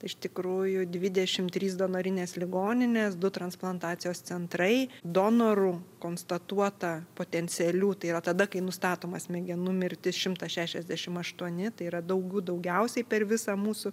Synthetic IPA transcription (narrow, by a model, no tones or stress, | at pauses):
t̪ɐɪɪʃt̪ʲɪkɾuːjʊd̪ʲʋʲɪd̪ʲɛʃʲɪmt̪ʲɾʲiːs̬d̪oːnɐɾʲɪnʲeːslʲɪɡoːnʲɪnʲeːsd̪ʊt̪ɾɐnsplˠɐnt̪ɑːt̪sʲɪjoːst͡s̪ʲɛnt̪ɾɐɪd̪oːnoɾʊkoːnst̪ɐt̪uɔt̪ɐpoːt̪ʲɛnʲt͡ssʲɪɛlʲuːt̪ɐɪiɾɐt̪ɐd̪ɐkɐɪnʊst̪ɑːt̪oːmɐsmʲɛɡʲɛnʊmʲɪɾʲt̪ʲɪsʃʲɪmt̪ɐʃʲæːʃʲɛzʲd̪ʲæʃʲɪmɐʃt̪uɔnʲɪt̪ɐɪiɾɐd̪ɐʊɡʲuːd̪ɐʊɡʲɛʊsʲɛɪpʲɛɾʋʲɪsɑmuːsʊ